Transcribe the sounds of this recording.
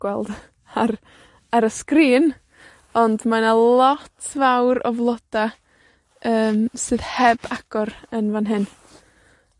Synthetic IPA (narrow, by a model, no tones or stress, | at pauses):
wɛlˠd̥ | ar | aɾəskriːn | ɔndmanalˠɔtʰvawɾɔ̰vlˠɔd̥a | əːmsɨːðhɛbaɡ̥ɔɾənvanɦɪn